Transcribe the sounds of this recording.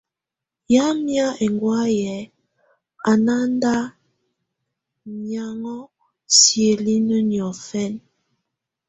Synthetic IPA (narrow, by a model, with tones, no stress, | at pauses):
ja˦mja˦e˨ŋɡwa˦jɛ˨˦ | a˨na˦n˦da˦ | ɲa˨ŋɔ˦ | sje˨li˦nə˦njɔ˨fɛ˦˨n